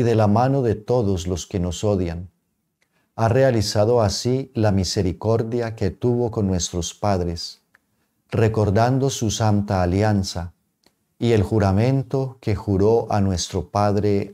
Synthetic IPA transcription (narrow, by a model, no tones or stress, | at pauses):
iðe̞lamano̞ðe̞t̪o̞ðo̞zlo̞ske̞no̞so̞ðjan | are̞alisaðo̞asilamise̞ɾiko̞ɾðjake̞t̪uβo̞ko̞nːwe̞st̪ɾo̞spaðɾe̞s | re̞ko̞ɾd̪and̪o̞susant̪aːljansa | ie̞lxuɾamẽ̞nt̪o̞ke̞xuɾo̞ʔanwe̞st̪ɾo̞paðɾe̞